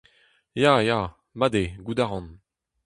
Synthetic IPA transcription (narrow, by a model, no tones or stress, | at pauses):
jaːjaː | mad̪eɡud̪aʁɑ̃n